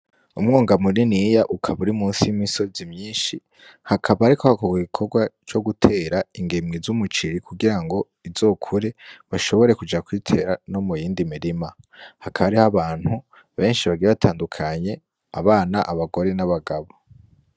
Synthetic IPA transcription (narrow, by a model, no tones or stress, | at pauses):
umŋoːŋɡamuɾinijaʔukʰaβuɾimuːnsijimiso̞zimɲiːnʃi | hakʰaβaːɾikʰohakoɡiɡikʰo̞ɾɡwat͡ʃo̞ɡutʰe̞ːɾaiŋɡemŋizumut͡ʃiɾikʰuɡiɾaŋɡo̞ | iz̥o̞ːkʰuɾeβaʃo̞βo̞ɾe̞kud͡ʒakwiːtʰe̞ːɾano̞mujiːndimiɾima | hakʰaβaɾihaβaːn̥hu | βe̞ːnʃiβaɡiɾeβatʰaːndukʰaɲe̞ | a̰βaːnaʔaβaɡo̞ɾe̞naβaɡaβo̞